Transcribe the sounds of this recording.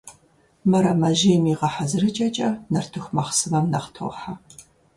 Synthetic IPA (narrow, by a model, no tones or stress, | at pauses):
mɨɾɐmɐʒiːmiːʁɐħazɨrɨt͡ʃʼɐt͡ʃʼɐnɐrtʰɨxʷmɐχsɨmɐmnɐχtʰo̰ːħa